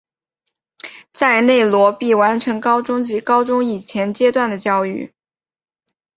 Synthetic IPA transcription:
t͡sa˥˧ɪne˥˩ɪlwɔ˧˥pi˥˩wa˧˥nʈ͡ʂʰɤ˧˥ŋkɑ˥ʊʈ͡ʂʊ˥ŋt͡ɕi˧˥kɑ˥ʊʈ͡ʂʊ˥ŋi˨˩t͡ɕʰjɛ˧˥nt͡ɕjɛ˥t̪wa˥˩nd̪ə˩t͡ɕjɑ˥˧ʊy̰˥˩

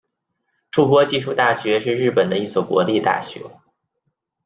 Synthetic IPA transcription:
ʈ͡ʂu˥˩pwɔ˥t͡ɕi˥˧ʂ̬u˥˧t̪a˥˩ɕɥɛ˧˥ʂɻ̩˥˧ɻɻ̩˥˩pə˨˩nd̪ə˦i˥˩swɔ˨˩kwɔ̰˧˥li˥˧t̪a̰˥˩ɕɥɛ̰˧˥

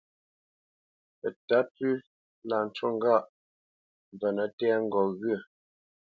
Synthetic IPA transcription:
ə˨ta˨˦pʉ˦ | la˨n̩˨˦t͡ʃwo˦˨ŋ̩˦ɡa˦˨ʔ | m˨b͡və˨nə˨tɛː˦ŋ̩˦ɡɔ˨ɣɥə˦˨

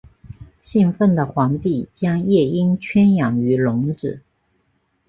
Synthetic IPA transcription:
ɕi˥˧ŋfə˥˩nd̪ə˩xwɑ˧˥ŋt̪i˥˩t͡ɕjɑ˥ŋjɛ˥˩i˥nt͡ɕʰɥɛ˥njɑ˨˩ŋy˧˥lʊ˧˥ŋʈ͡ʂɻ̩˨˩˦

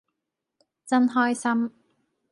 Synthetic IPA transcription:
t͡sɐ˥nɦɔː˥jsɐ˥m

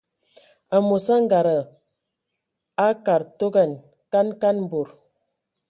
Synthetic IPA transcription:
a˨mo˨sa˦ŋ˦ɡa˨ɾə˨ | a˦ka˨ɾto˦ɡa˦˨n | ka˦nka˦nm̩˨bo˨ɾ

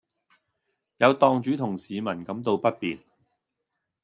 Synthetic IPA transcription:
jɐ˨˧wt̪ɔː˧ŋt͡ʃyː˨˥t̪ʰʊ˨˩ŋsiː˨˧mɐ˨˩nkɐ˨˥mt̪o˧wpɐ˥t̚pḭː˨n

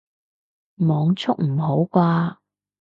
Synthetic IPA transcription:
mɔː˨˧ŋt͡sʰʊ˥k̚m̩˨˩ɦo˨˥wkʷaː˧

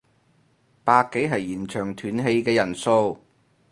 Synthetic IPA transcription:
paː˧kkːe˨˥jɦɐ˨jiː˨˩nt͡ʃʰœː˨˩ŋt̪ʰyː˨˥nɦe˧jkɛː˧jɐ˨˩nso˧w

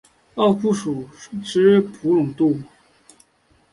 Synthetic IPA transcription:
ɑ˥˧ʊfu˥˩ʂu˨˩˥ʈ͡ʂɻ̩˥pʰu˧˥lʊ˨˩ŋt̪u˥˩

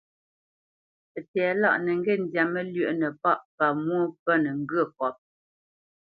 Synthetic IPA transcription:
ə˨tɛː˨˦la˦ʔnə˨ŋ˦ɡe˦˨n˨dja˨mə˦lɥə˦˨ʔnə˨pa˦ʔpa˨mwo˦pə˦nə˨ŋ̩˦ɡɰə˦˨kɔ˨˦p̚

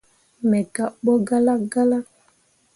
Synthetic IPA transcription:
mɛ˨ka˦˨ɓɔ˦ɡa˦la˦ɡa˦la˦

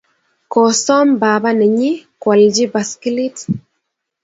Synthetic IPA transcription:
kɔ˨sɔ˦mba˨ba˦nɛ˨ɲi˦kwɔ˨ld͡ʒi˦ba˨ski˦li˦t

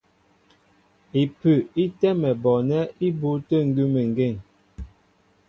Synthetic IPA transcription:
i˨pʉ˨i˦tɛ˦mɛ˨bɔ˨nɛ˦i˦bu˨˦tə˦˨ŋ̩˦ɡʉ˦mə˨ŋ˨ɡe˦˨ŋ

